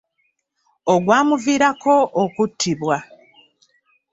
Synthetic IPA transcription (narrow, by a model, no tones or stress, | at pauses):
oɡwaːmuviːɾakʰo̞ʔːkutʰːiβwa